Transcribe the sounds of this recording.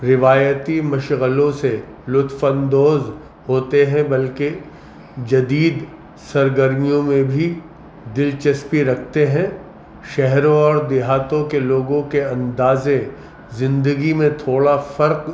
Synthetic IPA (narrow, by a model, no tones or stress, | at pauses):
ɾɪʋaːjət̪imɐʃɣəlõse | lʊt̪fə̃nd̪oːz | ɦoːt̪eɦɛ̃bɐlke | d͡ʒɐd̪iːd̪ | sɐɾɡəɾmijõmẽbʱi | d̪ɪlt͡ʃɐspiɾɐk̚ʰt̪eɦɛ̃ | ʃɛɦɾõɔːɾd̪ɪɦaːt̪õkeloːɡõkeɐ̃nd̪aːzẽ | zɪ̃nd̪əɡimẽt̪ʰoːɽafɐɾq